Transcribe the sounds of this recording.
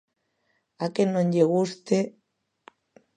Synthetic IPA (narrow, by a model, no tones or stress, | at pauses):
akenːõɲʎeɣust̪e